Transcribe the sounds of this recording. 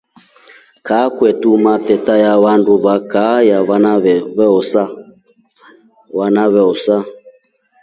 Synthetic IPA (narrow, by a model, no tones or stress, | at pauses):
kaːkwɛtumatɛtajaβanduβakajaβanaβɛβɛɔsa | βanaβɛɔsa